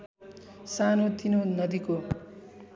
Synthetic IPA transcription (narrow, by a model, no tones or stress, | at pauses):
sanot̪inonʌd̪iko